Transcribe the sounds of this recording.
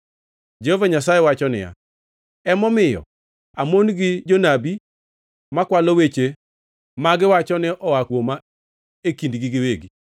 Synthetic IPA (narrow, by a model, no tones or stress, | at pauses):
d͡ʒehovaɲasajewat͡ʃɔnɪ̰ja̰ | ɛmɔmɪjɔ̰ | amonɡɪd͡ʒonabi | makwalowet͡ʃe | maɡɪwat͡ʃɔnɪʔɔwakwoma | ekindɡɪɡɪweɡi